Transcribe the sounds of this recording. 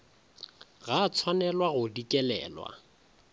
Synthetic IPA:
ɣat͡sʰwanɛlwaɣʊdikʼɛlɛ̰ːlwa̰

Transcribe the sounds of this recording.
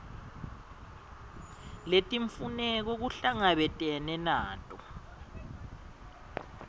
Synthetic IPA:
letʼiɱfunɛk̬oɣ̬uɬaŋaβɛtʼɛnɛnaːtʼɔ

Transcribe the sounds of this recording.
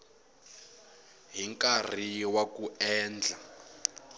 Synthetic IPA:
ɦiŋkʼar̤iwakuɛːnd͡ɮʱa

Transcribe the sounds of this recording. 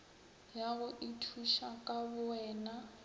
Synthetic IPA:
jaɣʊʔitʰuʃakʼabʊɛːna

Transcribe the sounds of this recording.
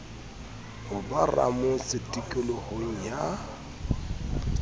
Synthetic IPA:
hʊbara̰mʊsɪtʼikʼɪlɔhoŋ̩ja

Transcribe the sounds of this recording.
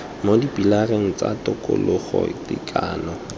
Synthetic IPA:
modipʼilareŋ̩t͡sʼa̰tʊkʼʊ̰lʊχɔdḭkʰʼaːnɔ

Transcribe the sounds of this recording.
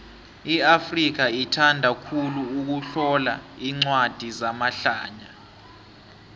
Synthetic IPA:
iafrik̬aitʰandʱakʰuluuk̬uɬɔlaiŋ͡ǀwad̥ʱizamaɬaːɲa

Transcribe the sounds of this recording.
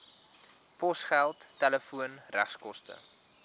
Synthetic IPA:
pɔsχælˠtːɛləfuənræ̰χskɔstə̰

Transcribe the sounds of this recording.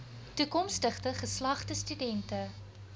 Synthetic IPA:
tukɔmstəχtəχəslɐχtəstydɛntə

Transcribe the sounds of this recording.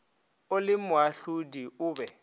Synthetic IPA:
ʊlɪmʊaɬudiʊːbɛ

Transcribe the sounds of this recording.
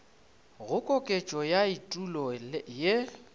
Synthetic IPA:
ɣʊkʼɔkʼet͡ʃʼɔjaitʼulɔje

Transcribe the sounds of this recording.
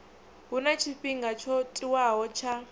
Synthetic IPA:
ɦunat͡ʃʰiɸiŋɡat͡ʃʰɔtʼiwaɦɔt͡ʃʰa

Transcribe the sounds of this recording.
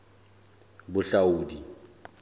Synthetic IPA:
bʊɬauːdi

